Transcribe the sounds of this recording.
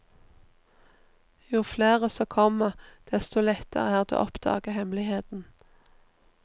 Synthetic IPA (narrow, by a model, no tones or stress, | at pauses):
juːfleːʁəsɔːkʰɔməʁd̪̥ɛst̪ʊlɛt̪ə̰ʁəæːʁd̪ḛːʔɔpd̪̥ɑ̰ːɡəhɛmlɪheːt̪n̩